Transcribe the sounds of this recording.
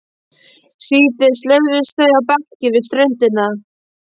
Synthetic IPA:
siːt̪ɪst̪leɣvɪst̪θœɥjawpakcɪvɪst̪ɾœɥn̥t̪ɪna

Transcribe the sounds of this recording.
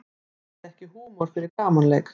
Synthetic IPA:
ɛhcɪhuːmɔɾ̥fɪɾɪɾkaːmanlɛjk

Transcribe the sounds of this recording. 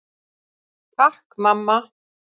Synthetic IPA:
pahkmamːa

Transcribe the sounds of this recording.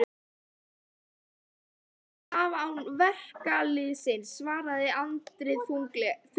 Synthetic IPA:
avawnvɛhkalɪsɪnsvaːɾaðɪant̪ɾɪðθulθ

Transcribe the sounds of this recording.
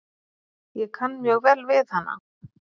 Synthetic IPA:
jɛkʰanːmjœɣvɛlvɪθhanːa̰

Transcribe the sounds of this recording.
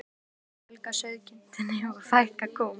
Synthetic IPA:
lkasœɥðcɪn̥t̪ɪnɪafajhkakʰɔːm

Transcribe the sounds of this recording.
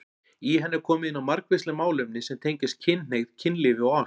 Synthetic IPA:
iɦɛnːɛɾkʰɔːmɪðɪnamaɾkvɪst̪lɪmaːwlʏmnɪsɛmt̪ʰejɲcɪst̪̚cʰɪnnejɣðcʰɪnlɪvɪaa

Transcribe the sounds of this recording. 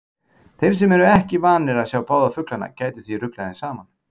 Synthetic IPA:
θejɾ̥s̬ɛmɛɾʏɛhcɪvaːnɪɾaðsjaːwpaːwðafʏklanːa̰caːjt̪ʏ̥θirʏklajðɪnsaːman

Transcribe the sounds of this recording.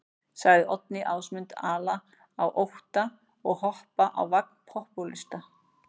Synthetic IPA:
saɣðɪʔɔt̪̚nɪʔaːwsmʏnt̪aːla | awʔowht̪a | ɔɣhɔhpaʔa̰wvak̚n̥pʰɔhpulɪst̪a

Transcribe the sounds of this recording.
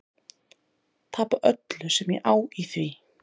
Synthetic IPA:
t̪ʰaːpaʔœt̪lʏsɛmjɛ̰ʔaːwiθvi

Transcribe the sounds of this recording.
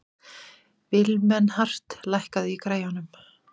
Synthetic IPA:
vɪlmɛnːhar̥t̪lajhkaðɪikɾaːjanːʏm

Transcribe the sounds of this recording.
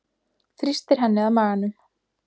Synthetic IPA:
θɾist̪ɪɾ̥ɦɛnːɪaðmaːɣanʏm

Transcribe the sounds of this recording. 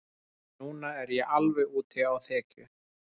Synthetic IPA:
nuːnaɛɾjɛɣʔalvɛɣuːt̪ɪawθɛːcʏ̰

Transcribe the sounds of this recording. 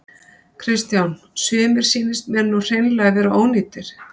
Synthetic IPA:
kʰɾɪst̪jawn | sʏːmɪɾ̥siːnɪst̪mɛɾnuwr̥ejnlɛɣvɛːɾaʔoːwniːt̪ɪɾ̥

